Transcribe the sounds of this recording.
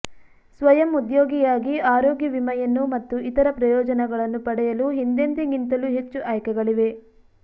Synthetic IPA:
sʋɐjɐmud̪joːɡijaːɡiaːɾoːɡjɐʋimɐjɐnːumɐt̪ːuit̪ɐɾɐpɾɐjɔːd͡ʒɐnɛɡɐɭɐnːupɐɽɛjɐluɦind̪ent̪iɡint̪ɐluɦet͡ʃːuʔɐːjkɛɡɐɭiʋe̞

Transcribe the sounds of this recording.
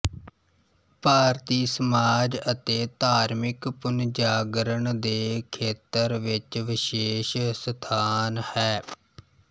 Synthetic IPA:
paːɾt̪iːsəmaːd͡ʒət̪eːt̪aːɾmɪkpʊnd͡ʒaːɡɾəɳd̪eːkʰeːt̪əɾʋɪt͡ʃʋɪʃeːʃsət̪ʰaːnhɛː

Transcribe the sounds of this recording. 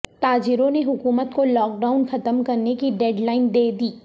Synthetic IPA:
t̪aːd͡ʒɪɾõneɦʊkuːmət̪kolɔːk̚ɖaːʊnxɐt̪əmkɐɾnekiɖɛːɖlaːɪnd̪eːd̪iː

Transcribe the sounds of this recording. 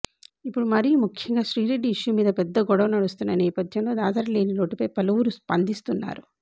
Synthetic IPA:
ipːuɽumɐɾiumukʰjɐŋɡaːʃɾiːɾeɖːiiʂjumiːd̪ɐpɛd̪ːɐɡɔɽɐʋɐnɐɽust̪unːɐnɛːpɐd̪ʱjɐmlo̞ːd̪aːd̪aːɾle̞ːniɾo̞ːʈipɐjpɐlɐʋuɾuspɐnd̪ist̪unːa̰ːɾu

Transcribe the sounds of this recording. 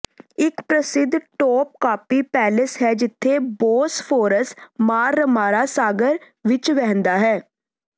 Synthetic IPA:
ɪkpɾəsɪd̪ʱːʈoːp̚kaːpiːpɛːlɪsɦɛːd͡ʒɪt̪ʰːeːboːspʰoːɾəsmaːɾːəmaːɾaːsaːɡəɾ | ʋɪt͡ʃʋɛ̃ːnd̪aːɦɛː

